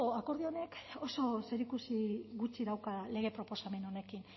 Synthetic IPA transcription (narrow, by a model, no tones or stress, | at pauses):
oako̞ɾðio̞ne̞ko̞so̞se̞ɾikusiɣut͡siðawkale̞ɣ̞e̞pɾo̞po̞same̞no̞ne̞kin